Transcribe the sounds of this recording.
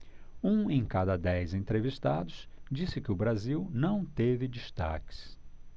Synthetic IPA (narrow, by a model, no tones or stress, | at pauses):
ũẽj̃kad̪ɐd̪ɛjzẽnt̪ɾeviʃt̪ad̪ʊsd͡ʒisɪkɪʊbɾaziwnɐ̃w̃t̪evɪd͡ʒist̪a̰kɪ̥s